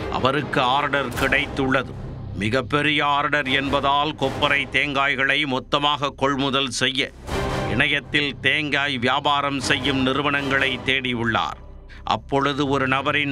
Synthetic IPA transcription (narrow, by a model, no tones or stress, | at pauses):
ʔɐ̰ʋɐɾɯkːɯaːɾɽɐɾkɪɽɐɪt̪ːɯɭːɐðɯ̰ | mɪɣɐpːɛɾɪjɐaːɾɖɐɾɛnbɐðaːlkɔpːɐɾɐɪt̪eːŋɡaːjɣɐɭɐɪmɔt̪ːɐmaːɣɐkɔɭmʊðɐlsɛjːɐ | ɪɳɐjɐt̪ːɪlt̪eːŋɡaːjʋɪjaːbaːɾɐmsɛjːɯmnɪɾɯʋɐɳɐŋɡɐɭɐɪt̪ːeːɽɪɯɭːa̰ːɾ | ʔɐ̰pːɔɻɯðɯɔɾɯnɐbɐɾɪn